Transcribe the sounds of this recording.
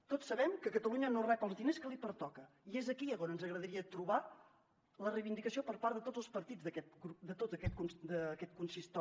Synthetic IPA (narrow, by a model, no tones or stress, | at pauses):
t̪otsəβɛmkəkət̪əluɲənorɛpəlˠzðineskəlˠipəɾt̪ɔkə | iezəkiəɣonənzəɣɾəðəɾiət̪ɾuβa | lərəjβind̪ikəsiopəɾpaɾðət̪od͡zəlˠspəɾt̪id͡zðəkɛt̪ɡɾupd̪ət̪ot̪əkɛt̪̚kunsd̪əkɛt̪̚kunsist̪ɔ